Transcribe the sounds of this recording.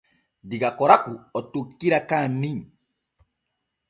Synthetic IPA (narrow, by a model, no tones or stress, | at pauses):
diɡakɔɾakuɔtukːiɾakaniŋ